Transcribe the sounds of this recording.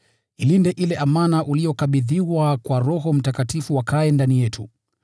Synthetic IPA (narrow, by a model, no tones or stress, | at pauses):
ilindɛʔilɛʔamanaʔuliɔkaɓiðiwakwaɾɔɦɔm̩takatifuwakaɛndanijɛtʰṵ